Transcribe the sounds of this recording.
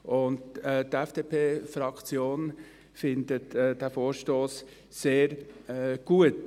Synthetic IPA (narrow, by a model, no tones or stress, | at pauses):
ʊndɛt̪ɛfd̥eːpʰeːfɾɑkt͡sjoːn | fɪnd̪ətːdæfoːɾʃtoːs | seːɾɡ̥uət